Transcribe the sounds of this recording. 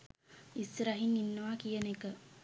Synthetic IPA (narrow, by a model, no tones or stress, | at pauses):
isɾaɦiŋinːəʋakijənekə